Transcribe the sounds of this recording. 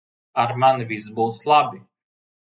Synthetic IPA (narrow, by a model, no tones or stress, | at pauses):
aɾmanvisbuːslˠabʲi